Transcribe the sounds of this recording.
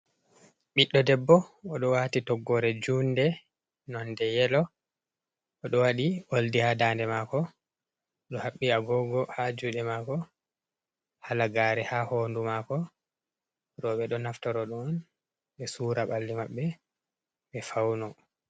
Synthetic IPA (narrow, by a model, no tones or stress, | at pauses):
ɓiɗːɔdɛbːɔːɗɔwaːtitɔɡːɔɾɛd͡ʒuːndɛ | nɔndɛjɛlɔ | ɔɗɔwaɗiʔoldihadaːndɛmakɔ | ɗɔhaɓːiaɡɔɡɔhad͡ʒuɗɛmaːkɔ | halaɡaːɾɛhahoːndumaːkɔ | ɾɔɓɛɗɔnaftɔɾɔɗɔn | ɓɛsuːɾaɓalːimaɓːɛ | ɓɛfawnɔ